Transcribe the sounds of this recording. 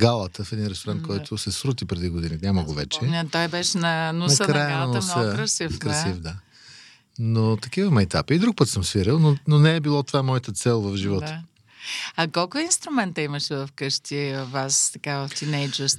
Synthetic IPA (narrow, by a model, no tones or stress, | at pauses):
ɡalˠət̪əfɛd̪inɾɛst̪oɾant̪kɔjt̪ʰʊsɛsɾut̪̬ipɾɛd̪iɡod̪ininʲamɐəɡovɛ̰t͡ʃɛat̪ɔjbɛʃɛnɐnunɐsəknɾajənˠɐnnsəɾɐsifkɾɐsifd̪a | not̪ɐkivəmɛɛt̪a̰pəid̪ɾuk̚pət̪səmsviɾilˠnononɛɛbilˠɔt̪ovaɛmɔjət̪ət̪sɛlˠvɐfʒivɔt̪ə | ɐkɔlˠkʊinst̪ɾʊmɛnt̪əimɐʃɛvɐfkɤʃt̪ivvast̪ɐkavɐft̪inɛjd͡ʒəɾs